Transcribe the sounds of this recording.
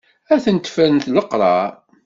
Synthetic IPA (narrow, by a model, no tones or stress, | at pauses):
æθənt̪fænθləqɾˤɑ